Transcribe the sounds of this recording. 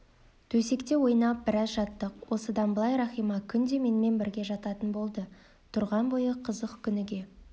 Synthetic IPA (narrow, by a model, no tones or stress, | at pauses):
t̪ʰɵse̞kt̪e̞wo̞jnɑp̚bɪɾɑzʒɑt̪ːəqwo̞səd̪ɑnblˠɑjɾɑχijmɑkʲʰʏnd̪e̞me̞nme̞nbɪɾɡʲe̞ʒɑt̪ɑt̪ənbo̞lˠd̪ə | t̪ʰʊɾʁɑnbo̞jəqʰəzəqkʲʰʏnɪɡʲe̞